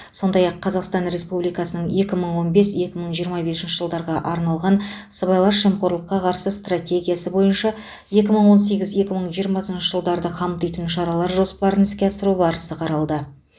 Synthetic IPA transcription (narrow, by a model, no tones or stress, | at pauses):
so̞nd̪ɑjɑqʰːɑzɑqst̪ɑnre̞spublijkɑsənəɴje̞kʲɪməɴwo̞nbe̞sje̞kʲɪməɴʒijəɾmɑbe̞sɪnʃəʒəlˠd̪ɑɾʁɑʔɑɾnɑlˠʁɑnsəβɑjlˠɑɾʃemqo̞ɾlˠəqːɑqʰɑɾsəst̪rat̪ʲe̞ɡʲijasəbo̞jənʃɑ | je̞kʲɪməɴwo̞nse̞ɡʲɪzje̞kʲɪməɴʒijəɾmɑsənʃəʒəlˠd̪ɑɾd̪əqʰɑmt̪ijt̪ənʃɑɾɑlˠɑɾʒo̞spɑɾənɪskʲe̞ɑsəɾubɑɾəsəqʰɑɾɑlˠd̪ə